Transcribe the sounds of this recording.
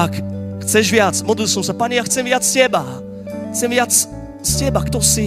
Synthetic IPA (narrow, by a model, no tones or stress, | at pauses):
akxt͡sɛʒvɪat͡smɔd̪lilsɔmsapaɲɛjaxt͡sɛmvɪat͡sscɛba | xt͡sɛmvɪat͡s | scɛbakt̪ɔsi